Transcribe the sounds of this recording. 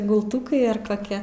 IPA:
ɡʊlˠˈtʊkɐɪ ɐr koːˈkʲɛ

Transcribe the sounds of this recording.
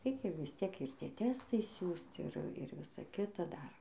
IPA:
ˈrʲɛɪkʲɛ ʋʲɪsʲˈtʲiɛk ɪr ˈtʲiɛ ˈtʲæːstɐɪ ˈsʲuːst ˈɪr ˈɪr ˈʋʲɪsɐ ˈkʲɪtɐ ˈdɐr

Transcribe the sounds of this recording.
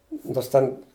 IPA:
ˈnoːrs ˈtʲɛn

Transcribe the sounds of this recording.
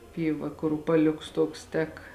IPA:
ˈpʲiːˌʋɐ kʊr ʊpɐˈlʲʊks ˈtuɔks ˈtʲɛk

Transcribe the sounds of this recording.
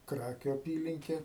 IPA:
ˈkrɑːkʲʊ ɐˈpʲiːlʲɪŋʲkʲɛ

